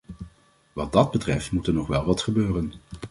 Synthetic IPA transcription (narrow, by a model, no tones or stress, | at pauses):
ʋɑd̚dɑd̚bətrɛftmutəɹnɔχʋɛlˠʋɑtχəbøːrən